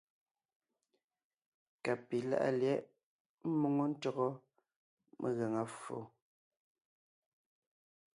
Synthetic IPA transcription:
ka˨pi˨la̰˦ʔa̰˦ljɛ˦ʔ | m̩˦mo˨ŋo˦n̩˦tɔ˦˨ɣɔ˦ | mʔe˨ɣɛ˨ŋa˨fo̰˨

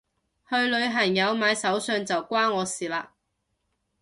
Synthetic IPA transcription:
hɵ˧ɥlɵ˨˧ɥɦɐ˨˩ŋjɐ˨˧wmaː˨˧jsɐ˨˥wsœː˧ŋt͡sɐ˨wkʷwaː˥ɔː˨˧siː˨˩laː˧

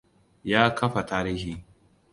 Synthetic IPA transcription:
jaː˦kʰɐ˦ɸa˨taː˦ɾiː˦hiː˦

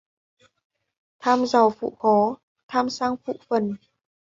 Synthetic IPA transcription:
t̪ʰaː˧mza˨˩wfṵ˧˨xɔ˨˦ | t̪ʰaː˧msaː˧˥ŋfṵ˧˨fə˨˩n

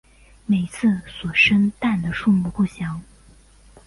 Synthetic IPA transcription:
me˨˩ɪt͡sʰɹ̩˥˩swɔ˨˩ʂə˥nt̪a˥˩nd̪ə˩ʂu˥˧mu˥˧pu˥˩ɕjɑ˧˥ŋ

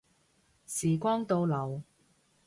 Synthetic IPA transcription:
siː˨˩kʷɔː˥ŋt̪o˧wlɐ˨˩w

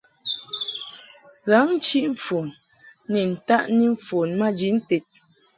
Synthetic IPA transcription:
ɣa˨˦ŋ˦t͡ʃi˦ʔɱ̩˨fo˨n | nɛ˨n̩˨ta˦ʔni˦ɱ̩˨fo˨nma˦d͡ʒi˨˦n̩˦te˨t̚

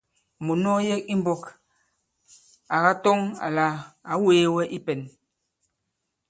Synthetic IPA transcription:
mu˨nɔ˦jɛ˦ki˦m˦bɔ˨k | a˨ɣa˦tɔ˦ŋa̰˨la˨a˨˦weː˦wɛ˦ʔi˦pɛ˨n

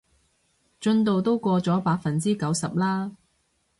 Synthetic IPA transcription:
t͡ʃɵ˧nt̪o˨wt̪o˥wkʷɔː˧t͡sɔː˨˥paː˧k̚fɐ˨nt͡siː˥kɐ˨˥wsɐ˨p̚laː˥

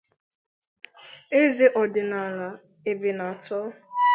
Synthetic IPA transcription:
e˦ze˦ʔɔ˨dɪ˨na˨la˨ | e˨bɪ˨na˨tɔ˦

